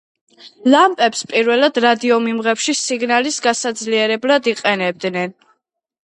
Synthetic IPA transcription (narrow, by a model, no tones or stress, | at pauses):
lampʼɛpspʼiɾvɛlˠad̪ɾad̪iɔmimʁɛpʃisiɡnalisɡasad̪zliɛɾɛblad̪iqʼɛnɛb̚d̪nɛn